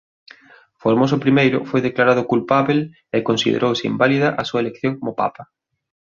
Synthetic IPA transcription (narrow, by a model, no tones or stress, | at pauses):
foɾmosʊpɾimejɾʊ̰fojðeklaɾað̞ʊkulpaβel | ɪkonsḭðḛɾʔowsɪḭmbaliðɐʔɐsuɐelekθjoŋkomʊpa̰pɐ